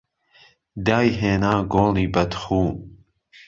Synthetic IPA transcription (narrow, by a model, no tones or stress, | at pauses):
d̪aːjɦeːnaːɡoːliːbɐt̪χuː